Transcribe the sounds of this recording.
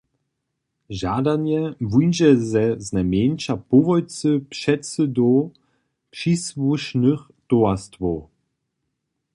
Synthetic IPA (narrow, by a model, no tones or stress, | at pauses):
ʒadanjɛvujnʒɛzɛznamjent͡ʃapuvɔjt͡sɨpʂɛtsɨdɔ | pʂisvuʃnəx | toastvow